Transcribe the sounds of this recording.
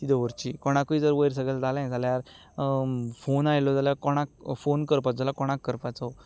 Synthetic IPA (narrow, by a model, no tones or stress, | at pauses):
t̪id̪ɔʋəɾt͡ɕiːkɔɽ̃akuid͡zəɾʋəjɾs̬əɡəld͡zʱalãd͡zʱaljaɾ | fonajlɔd͡zalakɔɽ̃akfonkəɾpad͡zalakɔɽ̃akːəɾpat͡sa